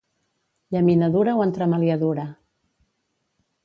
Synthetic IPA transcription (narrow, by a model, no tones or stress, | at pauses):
ʎaminaðuɾawənt̪ɾəmaljaðuɾa